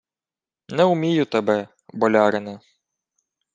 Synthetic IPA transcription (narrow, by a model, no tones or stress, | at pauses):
nɛʊmʲijʊt̪ɛbɛ | bɔlʲɑɾɪne